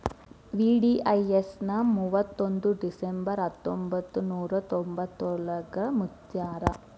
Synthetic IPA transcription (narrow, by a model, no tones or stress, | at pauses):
ʋiːɖiːʔɐjesnɐmuːʋɐt̪ːond̪uɖisembɐɾɦɐt̪ːombɐt̪ːunuːɾɐt̪ombɐt̪ːoɭɐɡɐmut | jaːɾɐ